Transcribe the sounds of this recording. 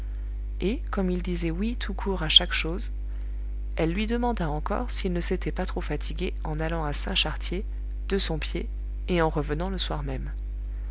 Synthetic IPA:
ekɔmild̪izɛwit̪ʰukʰuʁaʃakʃoz | ɛlːɥid̪əmɑ̃d̪aɑ̃kɔ̰ʁsilnəset̪ɛpat̪χofat̪ʰiɡʲe | ɑ̃nalɑ̃asɛ̰̃ʃaʁt̪je | d̪̥əsɔ̃pje | eɑ̃ʁəvənɑ̃ləswaʁmɛm

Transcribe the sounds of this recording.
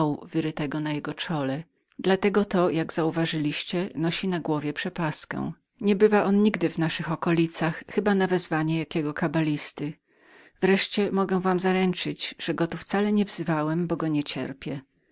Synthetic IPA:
wvɘɾɘt̪ɛɡɔnajɛɡɔt͡ʂɔlɛ | d̪lat̪ɛɡɔt̪ɔjaɡz̥auvaʐɘlʲiɕt͡ɕɛnɔɕinaɡwɔvʲjɛpʂɛpaskɛ̰̃ | ɲɛbɘvaʔɔnɲiɡd̪ɘvnaʂɘxɔkɔlʲit̪saxxɘbanavɛzvaɲɛjakʲɛɡɔkabalʲist̪ɘ | vɾɛʂt͡ɕɛmɔɡɛ̃vamzaɾɛnt͡ʂɘd͡ʑʐ̥ɛɡɔt̪uft̪salɛɲɛvz̥ɘvawɛmbɔɡɔɲɛt͡ɕɛ̰ɾpʲjɛ

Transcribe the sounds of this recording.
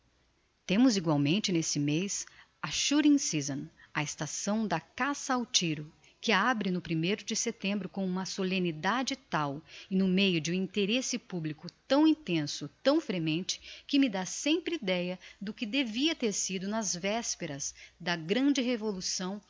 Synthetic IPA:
t̪ẽmʊziɡwawmẽnt͡ʃɪnesɪmes | ɐʃuɾĩsizɐ̃nɐest̪asɐ̃w̃d̪ɐkasɐawt͡ʃiɾʊ | kɪabɾɪnʊpɾimejɾʊd͡ʒɪset̪ẽmbɾʊkõũmɐsolẽnid̪ad͡ʒɪt̪awɪnʊmejʊd͡ʒɪũĩnt̪eɾesɪpublikʊt̪ɐ̃w̃ĩt̪ẽsʊt̪ɐ̃w̃fɾemẽnt͡ʃɪ̥kɪmɪd̪asẽmpɾɪid̪ɛjɐd̪ʊkɪd̪eviɐt̪eɾsid̪ʊnɐzvɛspeɾɐzd̪ɐɡɾɐ̃d͡ʒɪhevolusɐ̃w̃

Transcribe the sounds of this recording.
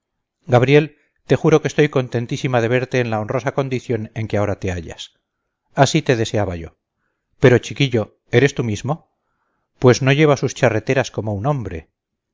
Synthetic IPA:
ɡaβ̞ɾje̞l | t̪e̞xuɾo̞kest̪o̞jko̞nt̪e̞nt̪isimað̞e̞βe̞ɾt̪e̞ːnlaonro̞sako̞nd̪iθjo̞ne̞ŋkeao̞ɾat̪e̞a̰ʎa̰s | asit̪e̞ðe̞se̞aβaʝo̞̰ | pe̞ɾo̞t͡ʃikiʎo̞ | e̞ɾe̞st̪umizmo̞ | pwe̞zno̞ʝe̞β̞asust͡ʃare̞t̪e̞ɾasko̞mo̞unõ̞mbɾe̞̰

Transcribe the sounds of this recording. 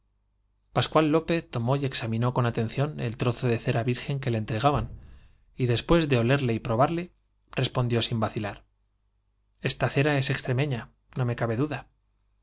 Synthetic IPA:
paskwalːo̞pe̞θt̪o̞mo̞je̞ksamĩno̞ko̞nat̪ẽ̞nθjo̞ne̞̰lt̪ɾo̞θo̞ðe̞θe̞ɾaβiɾxe̞ŋke̞leːnt̪ɾe̞ɣ̞aβan | iðe̞spwe̞zðe̞o̞le̞ɾle̞ipɾo̞β̞aɾle̞ | re̞spo̞nd̪josimbaθilaɾ | e̞st̪aθe̞ɾae̞se̞kst̪ɾe̞meɲa | nõ̞me̞kaβe̞ðuða

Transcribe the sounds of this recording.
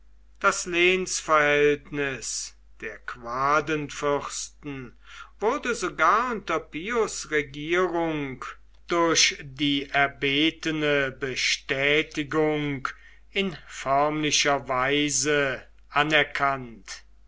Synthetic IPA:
d̥asleːnsfɛɐhɛltnɪs | d̥eːɐkv̥aːdənfʏχstn̩ | vʊʁdəzoɡaːɐʊntɐpiosʁɛɡiːʁʊŋk | d̥ʊɐɕdiːʔɛɐbeːtənəbəʃtɛːtɪɡʊŋk | ɪnfœɐmlɪʃɐvaɪzə | ʔanɛɐkʰant

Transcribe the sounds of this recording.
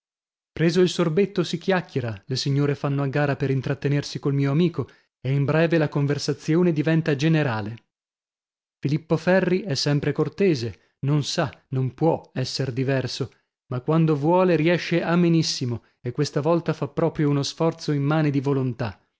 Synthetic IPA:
pɾeːzoilsorbet̪ːosikjakːjeɾalesiɲːoːɾefanːoaɡːaːɾapeɾint̪ɾat̪ːenersikolmiːoamiːko | eimbɾɛːvelakoɱversat̪sːjoːned̪ivɛnt̪ad͡ʒeneɾaːle | filipːofɛrːiɛsːɛmpɾekort̪eːze | nonsanompwɔɛsːerd̪ivɛrso | makːwand̪ovwɔːleɾiɛʃːeamenisːimo | ekːwest̪avɔlt̪afapːɾɔːpɾjounosfɔrt̪soimːaːned̪ivolont̪a

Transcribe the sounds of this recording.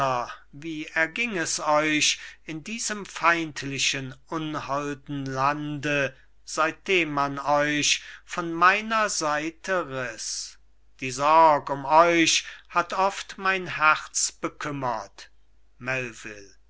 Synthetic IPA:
ɐviːɛɐɡɪŋɛsɔʏʃɪndiːzəmfaɪntʰlɪʃənʔʊnhɔldn̩landə | z̥aɪt̚d̥eːmːanɔʏʃfɔnmaɪnɐzaɪtʰəʁɪs | d̥iːzɔːkʊmɔʏʃhatʰɔftmaɪnhɛʁt͡sb̥əkʰʏmɐt | mɛlvɪl

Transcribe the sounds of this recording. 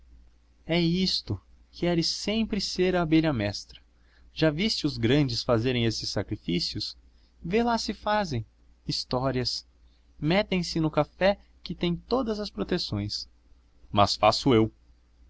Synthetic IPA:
ɛist̪ʊ | kɪɛɾɪsẽmpɾɪseɾɐbeʎɐmɛst̪ɾɐ̥ | ʒavist͡ʃɪʊzɡɾɐ̃d͡ʒɪsfazeɾẽj̃esɪsːakɾifisiʊs | velasɪfazẽj̃ | ist̪ɔɾiɐs | mɛt̪ẽj̃sɪnʊkafɛkɪt̪ẽj̃t̪od̪ɐzɐspɾot̪esõj̃s | mɐ̰sfasʊew

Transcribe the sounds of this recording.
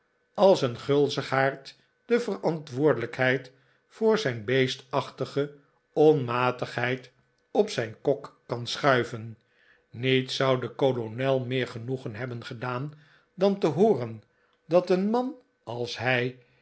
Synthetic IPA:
ɑlˠsənχɵlˠzəχaːɹt | d̥əvərɑntʋʊːɹdələkhɦɛjt | fʊːɹzɛjnbejstɑχtəχə | ɔnmaːtəχɦɛjt | ɔpsɛjnkɔkːɑnsχœɥvən | nitsɑwdəkolonɛlˠmɪːɹχənuχənɦɛbənχədaːn | dɑntəɦoːrən | dɑtənmɑn | ɑlˠsɦɛj

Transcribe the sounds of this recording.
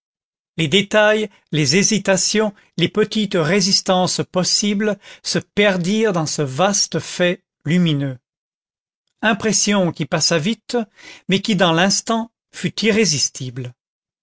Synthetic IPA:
led̪et̪aj | lezezit̪asjɔ̃ | lepət̪it̪ʁezist̪ɑ̃spɔsiblsəpɛʁd̪iʁd̪ɑ̃səvast̪əfɛ | lyminø | ɛ̃pχesjɔ̃kʲipasavit̪mɛkʲid̪ɑ̃lɛ̃st̪ɑ̃ | fyt̪iʁezist̪ʰibl

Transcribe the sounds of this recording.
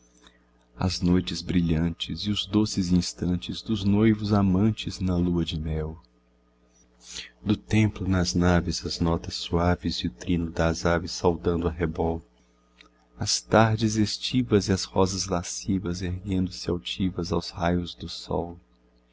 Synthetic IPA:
ɐ̰znojt͡ʃɪzbɾiʎɐ̃nt͡ʃɪzɪʊzd̪osɪzĩst̪ɐ̃nt͡ʃɪzd̪ʊznojvʊzamɐ̃nt͡ʃɪznɐluɐd͡ʒɪmɛw | d̪ʊt̪ẽmplʊnɐznavɪzɐznɔt̪ɐsuavɪzɪʊt̪ɾĩnʊd̪azavɪsːawd̪ɐ̃nd̪ʊɐɦebɔl | ɐst̪aɾd͡ʒɪzest͡ʃivɐzɪɐshɔzɐzlasivɐzeɾɡẽnd̪ʊsɪawt͡ʃivɐzawzhajʊzd̪ʊsɔ̰w

